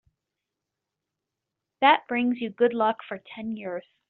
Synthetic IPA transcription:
ðɨt̚b̥ɹɪ̃ŋzjɨɡʊdˡlʌkfə˞tʰɛ̃njɪɹz̥

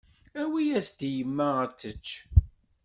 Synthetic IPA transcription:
æwijæsd̪ijəmːæət͡sːət͡ʃː

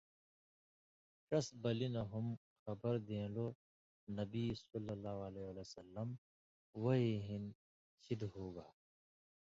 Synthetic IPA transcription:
kɐsbɐlinɐɦʊm | xɐbəɾd̪ẽːloː | nɐbisɐlːəlːaːɦleəlesəlːəm | ʋɐɦiɦɪn | ʃɪd̪ɦoːɡaː

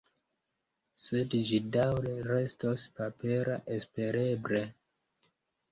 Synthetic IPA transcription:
se̞dd͡ʒidawɾe̞ɾe̞stospape̞ɾa̰ʔe̞spe̞ɾe̞bɾe̞

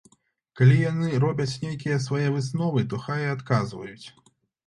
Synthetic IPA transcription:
kalʲijanɨɾɔbʲɐt͡sʲnʲejkʲijɐsvajɛvɨsnɔvɨt̪ɔxajɛat̪kazvɐ̰jut͡sʲ

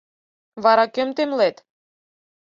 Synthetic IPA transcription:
βɑɾɑkømt̪emlet̪

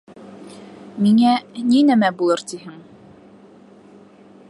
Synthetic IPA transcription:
miŋæninæmæbulˠɤɾt̪iɦɘŋ

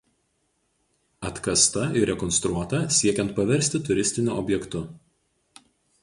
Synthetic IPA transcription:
ɐt̪kɐst̪ɐɪɾʲɛkɔnst̪ɾuɔt̪ɐsʲiɛkʲɛnt̪̚pɐʋʲɛɾʲsʲt̪ʲɪt̪ʊɾʲɪsʲt̪ʲɪnʲʊʔɔ̰bʲjɛkt̪ʊ

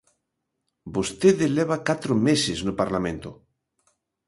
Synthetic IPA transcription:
bost̪eðeleβ̞akat̪ɾomeseznopaɾlamẽnt̪o

